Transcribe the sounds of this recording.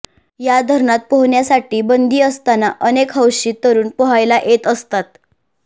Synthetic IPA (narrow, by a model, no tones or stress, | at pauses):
jad̪ʱəɾɳat̪̚poɦɳjasaʈiːbənd̪iːəst̪anaʔənekɦəwɕiːt̪əɾuːnpɔɦajlaʔet̪əst̪at̪